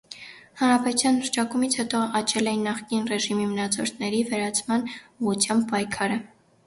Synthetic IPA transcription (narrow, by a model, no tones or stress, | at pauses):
hɑnɾɑpɛt̪ut͡sʰjɑnləɾt͡ʃʰɑkumit͡sʰhɛt̪ɔɑt͡ʃʰɛlɛjinːɑχkinrɛʒimimənɑt͡sʰɔɾt̪ʰnɛɾivɛɾɑt͡sʰmɑnuʁut͡sʰjɑmb̚pɑjkʰɑɾə